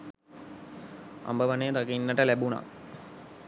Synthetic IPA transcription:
a̰mbəʋɐnejt̪ɐkinːəʈəlebuna̰

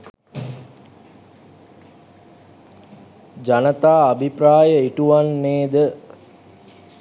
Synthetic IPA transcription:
d͡ʒanət̪aːbʱipraːjəiʈuʋanːeːd̪ə

